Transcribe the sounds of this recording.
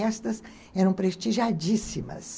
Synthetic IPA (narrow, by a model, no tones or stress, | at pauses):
ɛst̪ɐs | ɛɾɐ̃w̃pɾeʃt͡ʃiʒad͡ʒisimɐ̰s